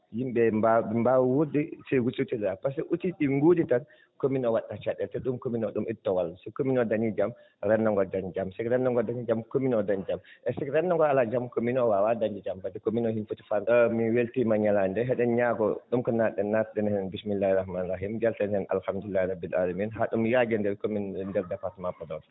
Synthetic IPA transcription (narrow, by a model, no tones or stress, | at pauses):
jimbɛmbabmbawwudisɛɡututiɗɛɾapasɛʔutiɗiŋɡuditan | kominɔwaɗːat͡ʃaɗːɛltɛɗumkominɔɗumʔitːɔwalːasɛkominɔdaɲid͡ʒam | ɾɛnːaŋɡɔd͡ʒand͡ʒamsɛkɾɛnːɔŋɡɔdaɲid͡ʒamkominɔdand͡ʒamʔɛsɛkɾɛnːɔŋɡɔalad͡ʒamkominɔwawadaɲd͡ʒid͡ʒambadɛkominɔhinfuti̥fanmiweltimaɲalandɛɦɛɗɛnɲaɡɔ̰ɗumkɔnatɗɛnːat̚ɗɛnhɛɛnbismilːahɛrahmaːnraɦimd͡ʒaltɛnɛna̰lhamdulːahɾabːila̰lamiːnɦaɗumjaɡɛndɛɾkominndɛɾdapatmapɔdɔn